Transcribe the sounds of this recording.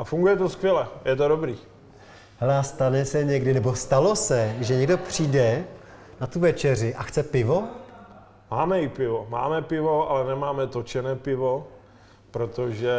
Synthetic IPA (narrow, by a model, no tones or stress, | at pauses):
ʔafuŋɡujɛt̪oskʋjɛlɛjɛt̪̬oɾobɾiː | hɛlɛast̪anɛsɛɲɛɡdɪnɛbo̞st̪alo̞sɛʒɛɲɛɡdo̞pr̝̥iːdɛ | nat̪uvɛt͡ʃɛr̝ɪʔaxt͡sɛpɪvo̞ | maːmɛɪpɪvoma̰ːmɛpɪvo̞ʔalɛnɛmaːmɛt̪ot͡ʃɛnɛːpɪvo | pɾot̪oʒɛ